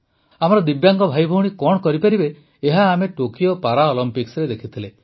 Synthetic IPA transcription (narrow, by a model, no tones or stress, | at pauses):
amɔɾɔd̪ibjaŋkɔbʱajbʱɔɦuɽ̃ikɔɽɔkɔɾipaɾibeː | ɦaːmeʈokijopaɾaɔlɔmpiksɾed̪ekʰit̪ʰile